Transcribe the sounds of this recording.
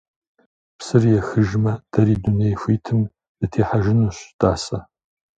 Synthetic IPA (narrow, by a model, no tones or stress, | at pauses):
psɨrjɛxɨʒmɐd̥ɐɾiːdunejxʷiːtʰɨm | dɨtʰeːħaʒɪnuːɕd̥aːsɐ